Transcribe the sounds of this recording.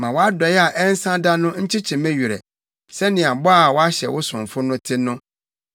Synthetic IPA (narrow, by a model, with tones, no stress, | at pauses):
mã˨wɔ˨˦a˦dɔ˨jɛ˦a˨ʔɛ˦n̩˦sã˦da˦nʊ̃˦ɲ̩˦t͡ɕʰi˦t͡ɕʰĩ˨mɛ̃˦ɥu˨ɾɛ̰˨ | sɛ˦nɪ̃˨a˨bɔ˦a˨wɔ˦a˦ɕɛ̰˨wʊ˦sʊ̃˨m˨fʊ˦nʊ̃˦tʰɪ˦nʊ̃˦